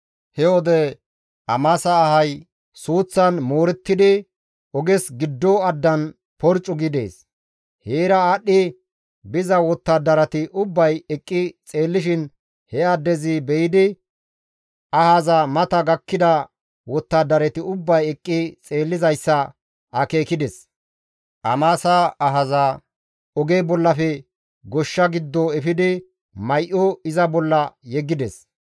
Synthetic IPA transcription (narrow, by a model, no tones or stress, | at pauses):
hɛwɔd̪ɛ | ʔɐmɐsɐːhɐj | suːt͡sːɐnmoːɾɛt̪ːɪd̪ɪ | ʔɔɡɛsɡɪd̪ːɔɐd̪ːɐn | pɔɾt͡ʃʼːʊɡɪd̪e̞̰ːs | heːɾɐaɗːɪ | bɪzɐwɔt̪ːad̪ːɐɾɐt̪ɪʔʊbːɐjɛkʼːɪt͡sʼe̞ːlːɪʃɪn | hɛɐd̪ːɛzɪbɛjɪd̪ɪ | ʔɐhazamɐt̪ɐɡɐkːɪd̪ɐ | wɔt̪ːaːd̪ɐɾɛt̪ɪʊbːɐjɛkʼːɪt͡sʼe̞ːlːɪzɐjsːɐ | ɐke̞ːkɪd̪ɛs | ʔɐmaːsaɐɦɐzaː | ɔɡeːbɔlːɐfɛ | ɡɔʃːɐɡɪd̪ːɔɛfɪd̪ɪ | mɐjʔɔɪzɐbɔlːɐjɛɡːɪd̪ɛs